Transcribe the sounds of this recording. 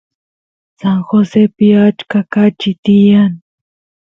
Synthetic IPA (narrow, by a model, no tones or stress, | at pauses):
saŋxosepɪat͡ʃkakat͡ʃɪt̪ɪjan